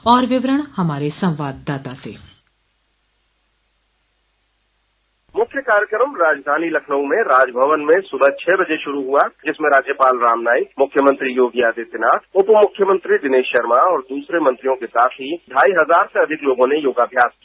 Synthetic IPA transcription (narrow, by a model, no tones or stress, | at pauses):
ɔːɾʋɪʋɾəɽ̃hɐmaːɾesɐ̃wʋaːd̪ːaːt̪asḛː | mʊkʰjəkaːɾjəkɾəmɾaːd͡ʒd̪ʱaːnilɐkʰnəũmẽɾaːd͡ʒbʱəʋənmẽsʊbət͡ʃʰɛːbɐd͡ʒeʃʊɾuɦuad͡ʒɪsmẽɾaːd͡ʒjəpaːlɾaːmnaːɪkmʊkʰjəmə̃nt̪ɾijoːɡjaːd̪et̪ɪnaːt̪ʊpmʊkʰːjəmə̃nt̪ɾid̪ɪneːʃʃɐɾmaɔːɾd̪uːsɾemɐ̃nt̪ɾijõkesaːt̪ʰɦiɖʱaːiɦɐzaːɾseɐd̪ʱɪkloːɡõnejoːɡaːbʱjaːski